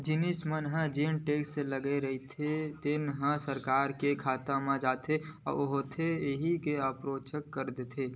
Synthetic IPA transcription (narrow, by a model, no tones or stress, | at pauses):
d͡ʒɪnɪsmənɦə̃d͡ʒenʈeːksseləɡeɾɐɦit̪ʰet̪ɪnɦə̃səɾkaːɾkekʰaːt̪ãmãd͡ʒaːt̪ʰeɔ̰ːɾoɦot̪ʰeɦikeəpɾoːt͡ʃəkːəɾd̪et̪ʰeː